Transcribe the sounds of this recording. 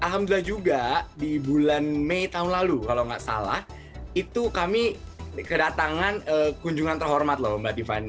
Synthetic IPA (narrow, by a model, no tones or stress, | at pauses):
ʔalɦamd̪uilahd͡ʒuɡadibulanmeit̪aɦunlalukaloŋɡaʔsa̰la̰h | it̪ukamikədat̪aŋanəːkuɲd͡ʒuŋant̪ərɦɔrmat̪lɔmbat̪ifa̰ni